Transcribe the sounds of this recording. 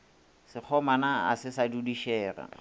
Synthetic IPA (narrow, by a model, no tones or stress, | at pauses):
sɪk͡xʰɔmanaa̰sɪsadudiʃɛːra̰